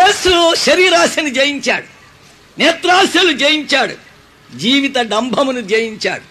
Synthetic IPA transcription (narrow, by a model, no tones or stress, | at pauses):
jeːsuʃɐɾiːɾaːsɐnud͡ʒejiɲt͡ʃa̰ːɽu | nɛːt̪ɾaːsjɐlud͡ʒeːjiɲt͡ʃaːɽṵ | d͡ʒiːʋit̪ɐɖɐmbʱɐmunud͡ʒeːjiɲt͡ʃa̰ːɽu